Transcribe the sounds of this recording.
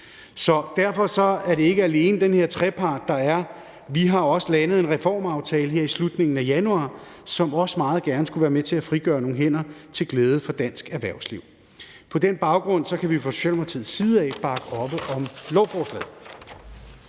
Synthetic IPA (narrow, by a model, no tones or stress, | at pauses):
sɒ̽d̥æɐfɒ̽sɒ̽æɐɾe̝e̝ɡ̥əæle̝ːnəd̥enhe̝ɐ̰t͡sʰʁɛpʰɑ̈ːd̥ːɑ̈æɐ | ʋiɦɑ̈ɒ̽səlænəð̞̩ˠe̝nʁɛfɒ̰ːmɑ̈ʊt͡sʰɛːləɦeɐ̰islud̥ne̝ŋn̩æjænuɑ̰̈ː | sɒ̽mɒ̽səmɑ̈ːð̩ˠɡ̥æɐnəsɡ̥uʋæːɐmet͡sʰe̝æfʁiɡ̥ɶːɐno̝ːŋ̩ɦen̰ɐt͡sʰe̝lɡ̥leːð̞ˠəfɒ̽d̥æn̰sɡ̥æɐʋæɐ̰ʊsliʊ̰ | pʰɒ̽d̥enb̥ɑ̈ʊɡ̥ʁɔ̽n̰sɒ̽kʰæʋifʁɒso̥ɕɛlmɐt͡sʰið̰ˠsiːð̩ˠɛ̰ːb̥ɑ̈ɡ̥əʔɒ̽b̥əʔɒ̽mlɒʊfɒːslɛ̰ːð̩ˠ